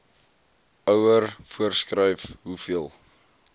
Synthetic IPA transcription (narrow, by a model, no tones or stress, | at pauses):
œwərfuərskrəjfɦufiəlˠ